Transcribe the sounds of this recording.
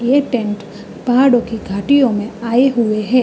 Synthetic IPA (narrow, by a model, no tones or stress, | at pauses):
eʈɛ̃ɳʈ | bʱaɽõkiɡʱaːʈijõmẽaeɦueɦɛ